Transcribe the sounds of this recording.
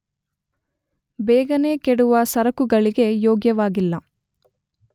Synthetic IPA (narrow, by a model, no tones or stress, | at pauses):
bɛːɡɐne̞ːkeɽuʋɐsɐɾɐkuɡɐɭiɡe̞joːɡjɐʋaːɡilːɐ